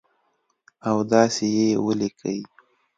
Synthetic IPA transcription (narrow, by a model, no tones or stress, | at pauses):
awd̪ɑsejewəlikʰə̰i